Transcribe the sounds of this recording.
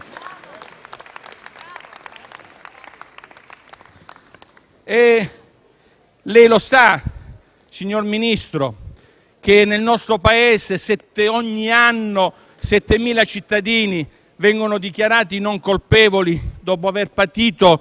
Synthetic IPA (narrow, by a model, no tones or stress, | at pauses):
e | lɛjlosa | siɲːorminist̪ɾo | k̟enelnɔst̪ɾopaeːsesɛt̪ːeoɲːianːo | sɛt̪ːemiːlat͡ʃit̪ːad̪iːni | vɛŋɡonod̪ik̟jaɾaːt̪inoŋkolpeːvolid̪ɔːpoaverpat̪iːt̪o